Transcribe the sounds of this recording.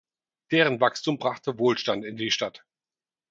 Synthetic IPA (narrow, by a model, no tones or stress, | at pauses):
d̥eːʁ̞ənvakstuːmbʁaχtəvoːlʃtantɪndiːʃtat